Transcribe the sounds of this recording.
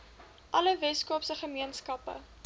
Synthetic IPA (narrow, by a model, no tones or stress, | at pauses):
ʔɐləvɛskupsəχəmiənskɐpə̰